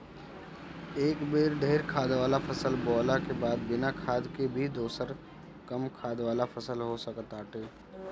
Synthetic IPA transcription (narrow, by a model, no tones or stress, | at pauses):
eːkbeːɾɖʱeːɾkʰaːd̪ʋaːlapʰəsəlbɔːlakebaːd̪bɪnakʰaːd̪kebʱid̪oːsəɾ | kəmkʰaːd̪ʋaːlafʰɐsəlɦosəkt̪aːʈeː